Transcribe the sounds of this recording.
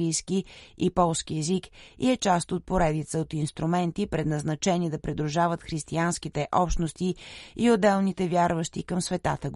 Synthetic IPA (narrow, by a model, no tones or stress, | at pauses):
ijskiipɔlˠsk̟iɛzikḭɛt͡ʃast̪ot̪̚poɾɛd̪it̪səot̪inst̪ɾumɛnt̪ipɾɛd̪nɐznɐt͡ʃɛnid̪ɐpɾid̪ɾuʒavət̪xɾist̪iansk̟it̪ɛʔɔpʃnost̪iiod̪ːɛlˠnit̪ɛvʲjaɾvəʃt̪ikəmsvɛt̪at̪əɡ